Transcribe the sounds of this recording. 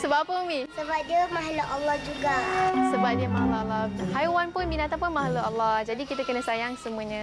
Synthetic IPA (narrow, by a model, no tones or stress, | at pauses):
səbapənmisəbap̚diəmaɦaləʔalːɔhd͡ʒuɡasəbap̚diəmaɦalaalːɔhajwanpʊnbinãt̪apʊnmaɦaləalːɔhd͡ʒadikit̪akənə̃sajaŋsəmũəɲə̃